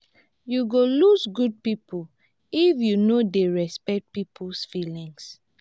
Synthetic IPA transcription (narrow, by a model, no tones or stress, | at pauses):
juɡolusɡud̚pipʰu | ifjunodeɹɛspɛk̚t̚pipʰusfilĩŋs